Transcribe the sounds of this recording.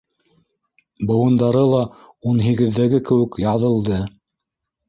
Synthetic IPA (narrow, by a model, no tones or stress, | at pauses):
bɤ̆wɤ̆nd̪ɑɾɤlˠɑ | unɦiɡɘ̆ðːæɡɘkɘ̆wɘ̆kjɑðɤ̆lˠd̪ɤ